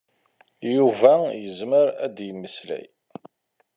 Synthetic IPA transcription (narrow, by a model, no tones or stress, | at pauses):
juvæjəzməɾæ̰d̪jəmːəslæ̰j